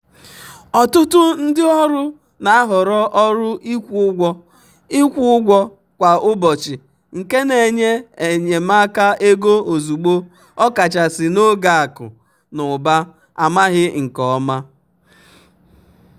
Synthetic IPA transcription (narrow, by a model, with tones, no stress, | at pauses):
ɔ˨tʊ˦tʊ˦n̩˦dɪ˦ɔ˦ɾʊ˦ | na˨a˦ɦʊ˨ɾɔ˦ʔɔ˦ɾʊ˦ʔi˦kʷu˦ɡʷɔ˦ | ɪ˦kʷu˦ʊ˦ɡʷɔ˦ | kʷa˨ʔʊ˦bɔ˨t͡ʃɪ˨ | ŋ̩˨ke˦ne˨ɲe˦e˨ɲe˨ma˦ka˦e˦ɡo˦o˨zu˨ɡ͡bo˦ | ɔ˦ka˨t͡ʃa˨sɪ˨no˦ɡa˨a˨kʊ̰˨ | nʊ˨ba˦ | a˨ma˦ɣɪ˦ŋ̩˨kɔ˨˦ma˦